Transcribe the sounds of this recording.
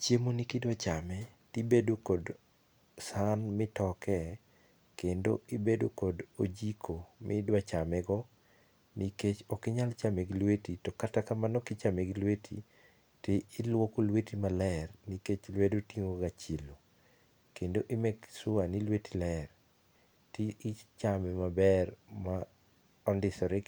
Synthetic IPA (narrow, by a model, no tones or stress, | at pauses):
t͡ʃjemonikɪdwat͡ʃamɛtibedokɔd | sanmɪtɔkʰɛ | kendo̰ɪbedokɔdod͡ʒikʰomɪ̰dwat͡ʃamɛɡɔ | niket͡ʃɔkɪɲalt͡ʃamɛɡlwetitɔkatakamanɔkɪt͡ʃamɛɡlwetʰḭ | tɪɪlwokolwetimalɛrniket͡ʃlwedotiŋoɡat͡ʃilo | kendoʔɪmɛɡsʊanilwetilɛr | tiit͡ʃamɛmabɛrma | ɔndɪsɔɾɛ